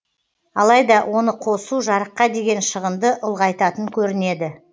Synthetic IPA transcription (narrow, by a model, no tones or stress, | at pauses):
ɑlˠɑjd̪ɑwʔo̞nəqʰo̞suʒɑɾəqːɑd̪e̞ɡʲe̞nʃəʁənd̪əʔʊlˠʁɑjt̪ɑt̪əŋkʲʰɵɾɪne̞d̪ɪ